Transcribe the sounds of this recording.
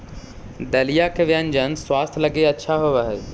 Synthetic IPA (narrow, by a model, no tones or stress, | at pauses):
d̪ɐlijakʰeʋijaːnɪd͡ʑanswaːst̪ʰlɐɡeɐtːʃʰaɦoʋaɦeː